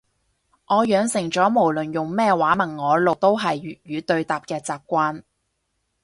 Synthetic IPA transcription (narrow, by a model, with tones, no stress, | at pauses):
ŋʔɔː˨˧jœː˨˧ŋsɪ˨˩ŋt͡ʃɔː˨˥mo˨˩wlɵ˨˩njʊ˨ŋmɛː˥waː˨˥mɐ˨˩ŋːɔː˨˧lo˨wt̪o˥wɦɐ˨j̚jyː˨˧t̪ɵ˧ɥt̪aː˨p̚kɛː˧t͡saː˨p̚kʷaː˧˥n